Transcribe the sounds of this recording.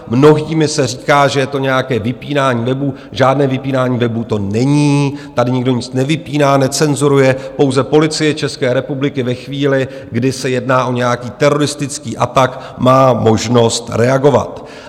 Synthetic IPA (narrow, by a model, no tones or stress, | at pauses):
mno̞ɦiːmɪsɛriːkaːʒɛjɛt̪o̞ɲɛjakɛːvɪpiːnaːɲiːvɛbuː | ʒaːdnɛːvɪpiːnaːɲiːvɛbuːt̪o̞nɛɲiːt̪adɪɲɪɡdo̞ɲɪt͡snɛvɪpiːnaːnɛt͡sɛnzuɾujɛpo̞wzɛpo̞lɪt͡sɪjɛt͡ʃɛskɛːɾɛpublɪkɪvɛxviːlɪ | ɡdɪsɛjɛdnaːʔo̞ɲɛjakiːt̪ɛɾo̞ɾɪst̪ɪt͡skiːʔa̰t̪ak | maːmo̞ʒno̞st̪ɾɛaɡo̞va̰t̪